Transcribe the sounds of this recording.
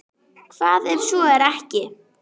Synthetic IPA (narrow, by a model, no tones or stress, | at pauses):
kʰv̥aːðɛv̥sɔɛɾɛhcɪ